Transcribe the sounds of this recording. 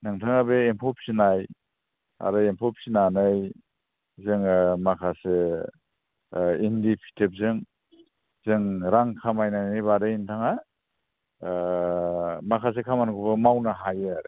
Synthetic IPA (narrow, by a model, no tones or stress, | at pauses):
nɯŋtʰaŋabeempʰɔp̚sinaj | a̰ɾɯempʰɔp̚sinanɯj | zɯŋmakʰase | indipʰi̥tʰep̚zɯŋ | z̥ɯŋɾaŋkʰamajnajnɯjbadɯintʰaŋa | makʰas̬ekʰamankʰubɯmawnaɦajɯaɾe